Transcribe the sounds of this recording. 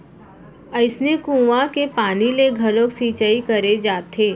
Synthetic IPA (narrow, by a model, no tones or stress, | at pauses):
əɪsnekũːʋãkepaːnileɡʱɐlõksiːt͡ʃaikɐɾed͡ʒaːt̪ʰeː